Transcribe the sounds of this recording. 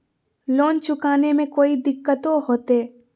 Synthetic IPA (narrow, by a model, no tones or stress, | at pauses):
loːnt͡ʃʊkaːnemẽkoːid̪ɪkːət̪oɦoːt̪eː